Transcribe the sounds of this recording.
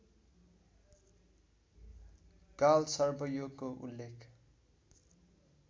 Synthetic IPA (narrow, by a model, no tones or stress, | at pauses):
kalsʌrbʌjoɡkoʔṵlːekʰ